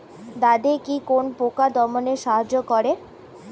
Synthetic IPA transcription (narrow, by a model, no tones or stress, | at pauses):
d̪ad̪ekikonpokad̪ɔmoneʃaɦad͡ʑokoɾe